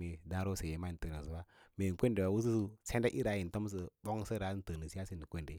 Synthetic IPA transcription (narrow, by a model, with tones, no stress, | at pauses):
e˨dã˦ɾo˦se˨je˨ma˦i˨n˨tə˨ni˨s̬u˦wa˦me˨kʷe˦nde˨wa˨wu˦s̬u˦su˦se˦nda˦ʔḭ˦ɾa˨˦ji˨n˨to˦m˦s̬ə˦˨bo˦ŋ˦sə˦ɾa˨˦n˦tə˨ni˨si˦a˦si˦ndi˨kʷe˦nde˨